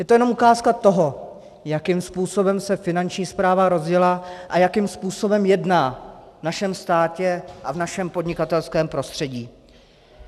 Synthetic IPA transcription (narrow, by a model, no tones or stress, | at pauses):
jɛt̪ojɛno̞mʔukaːskat̪o̞ɦo̞ | jakɪmspuːso̞bɛmsɛfɪnant͡ʃɲiːspɾaːvaɾo̞zjɛlaʔajakɪmspuːso̞bɛmjɛdnaːvnaʃɛmst̪aːcɛʔavnaʃɛmpo̞dɲɪkat̪ɛlskɛːmpɾo̞st̪r̥ɛɟiː